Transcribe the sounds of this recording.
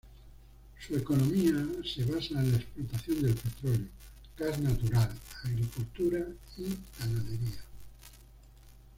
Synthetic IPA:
sue̞ko̞nõ̞miase̞β̞asaenlaesplot̪aθjond̪e̞lpe̞t̪ɾoleo | ɡ̥aznat̪uɾalaɣɾikult̪uɾaitanaðe̞ɾia

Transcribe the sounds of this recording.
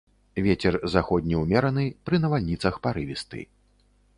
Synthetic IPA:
vʲɛt͡sʲɛrzaxɔd̪ʲnʲiwmʲɛɾɐnɨpɾɨnɐvalʲnʲit̪sɐxpaɾɨvʲist̪ɨ̰

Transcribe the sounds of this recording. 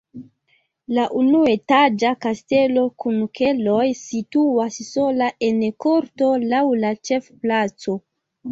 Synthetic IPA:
laʔunue̞tad͡ʒakaste̞lo̞kunkʰe̞lo̞jsituasso̞laʔe̞nko̞ɾto̞lawlat͡ʃe̞fplat͡so̞

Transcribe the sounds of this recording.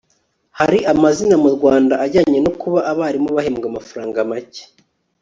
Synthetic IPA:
haɾiʔamazinamuɾɡwaːndaʔːɟaːɲenokuβaʔaβaːɾimoβaheːmɡamafaɾaːŋɡamace̥

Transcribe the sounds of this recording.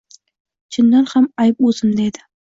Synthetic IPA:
t͡ʃʰɪnːaɾhamajp̚ozɪmd̪aed̪ɪ

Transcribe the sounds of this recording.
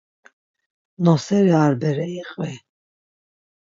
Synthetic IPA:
nɔsɛɾiaɾbɛɾɛiqʼvɛ

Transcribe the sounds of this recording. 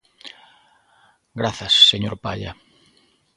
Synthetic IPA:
ɡɾaθɐsːeɲoɾpaʎɐ̰

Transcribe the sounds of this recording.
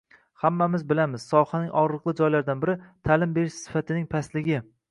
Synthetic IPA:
hamːamɪzbɪlamɪz̥sɒhanɪŋʔɒʁɾɨqlˠɨd͡ʒɒjlaɾd̪anbɪɾɪt̪ʰalɪmbe̞ɾɪʃsɪ̥fat̪ʰɪnɪŋpʰaslɪɡʲɪ

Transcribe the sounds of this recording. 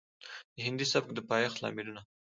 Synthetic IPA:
d̪̥əɦɪnd̪isab̚k̚d̪əpɑjɑxt̪lɑ̰mɪluna

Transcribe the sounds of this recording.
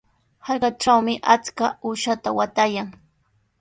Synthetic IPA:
hɑjɢɑʈ͡ʂawmɪʔat͡skaʊʃat̪awat̪ajaŋ

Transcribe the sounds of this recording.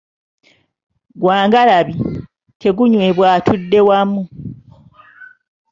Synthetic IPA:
ɡwaːŋɡalaβi | tʰe̞ɡuɲweβwaːtudːe̞wamu

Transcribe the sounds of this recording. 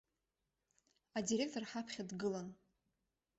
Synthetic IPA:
adiɾʲe̞k̚tʰo̞rħapʰχʲadɡɨlan

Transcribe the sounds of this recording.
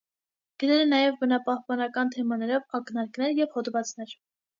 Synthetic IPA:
ɡ̥əɾɛɾənɑjɛvbənɑpɑhpɑnɑkɑnt̪ʰɛmɑnɛɾɔvɑknɑɾknɛɾjɛvhɔd̪vɑt͡snɛɾ

